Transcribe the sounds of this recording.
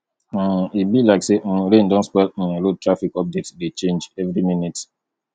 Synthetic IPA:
ibilaɪksemɾẽndɔ̃nspɛt̚ɛɾotʰɹafikɔp̚detsdet͡ʃẽnd͡ʒɛvɾiminit

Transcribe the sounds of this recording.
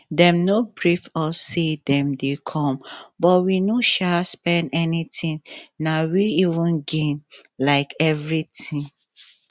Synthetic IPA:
dɛ̃mnobɹifɔsedɛ̃mdekʰɔ̃mbɔtwinoʃaspɛ̃ndɛnitĩŋnawiivə̃nɡẽn | laɪkɛvɹitĩŋ

